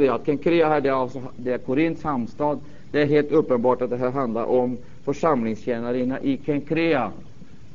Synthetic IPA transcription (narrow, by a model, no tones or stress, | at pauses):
ɛjaat̪̚kʰɛŋkʰɾeːaɦæːɖɛalsɔd̪ɛæɾkʰʊɾɪnt̪shamst̪ɑːd̪ | d̪ɛæɾɦeːlt̪ɵpːənbɑːʈat̪̚d̪ɛɦæːɾɦand̪la̰ɾʔɔm | fœʂamlɪŋsɕeːnaɾɪnaʔɪkʰɛŋkʰɾeːa